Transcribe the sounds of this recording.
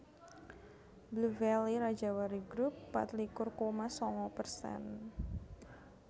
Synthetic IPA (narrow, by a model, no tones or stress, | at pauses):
bluvɛliɾḁd͡ʒawaɾiɡɾupːa̰t̪likʊrkomasɔŋɔpərsɛ̰n